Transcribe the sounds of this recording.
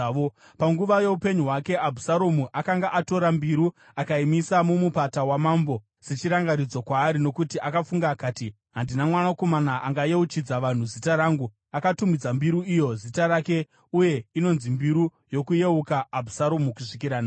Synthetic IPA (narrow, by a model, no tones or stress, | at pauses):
o | paŋɡuʋaje̞upe̞ɲuɦwake̞abʱusaɾomuʔakaŋɡaʔato̞ɾambiɾu | akaimisamumupatawamaːmbo̞ | set͡ʃiɾaŋɡaɾid͡zokwaːɾino̞kutiʔakafuŋɡaːkaːti | ɦandinamwanako̞manaʔaŋɡajeut͡ʃid͡zaʋan̤uzitaɾaːŋɡu | akatumid͡zambiɾuijo̞zitaɾake̞ | uje̞ino̞nzimbiɾu | jo̞kuje̞ukaːbʱusaɾomukuʂik̬iɾaːna